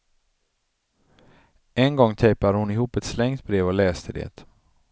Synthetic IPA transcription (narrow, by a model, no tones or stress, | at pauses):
ɛnɡɔŋːt̪ʰɛjpad̪əhʊnɪɦuːpɛt̪slɛŋt̪bɾeːvɔlɛːst̪ʰəd̪ḛt̪